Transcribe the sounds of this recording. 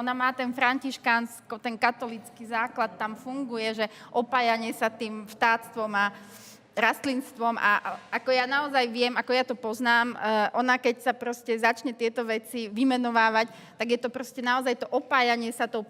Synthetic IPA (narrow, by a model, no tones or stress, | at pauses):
ɔnamaːt̪ɛnfɾaɲciʃkanskɔt̪ɛnkat̪ɔlit͡skizaːklat̪ːamfuŋɡujɛʒɛʔɔpaːjaɲɪɛsat̪iːmʃt̪aːt̪st̪ʋɔma | ɾast̪linst̪ʋɔma̰akɔjanaɔzajʋɪɛmakɔjat̪ɔpɔznaːmʔɔnakɛcsapɾɔscɛzat͡ʃɲɛt̪ɪɛt̪ɔʋɛt͡siʋimɛnɔʋaːʋac | t̪aɡjɛt̪ɔpɾɔscɛnaɔzajt̪ɔʔɔpaːjaɲɪɛsat̪ɔʊ